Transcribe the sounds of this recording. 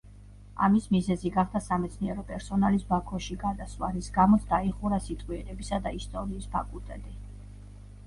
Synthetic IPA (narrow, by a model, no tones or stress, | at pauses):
a̰mismizɛziɡaχd̪asamɛt̪sʰniɛɾɔpʼɛɾsɔnalisbakʰɔʃiɡad̪aswaɾisɡamɔt̪sʰd̪aiχuɾasit̪ʼwiɛnɛbisad̪aist̪ʼɔɾiːspʰakʼulˠt̪ʼɛt̪ʼi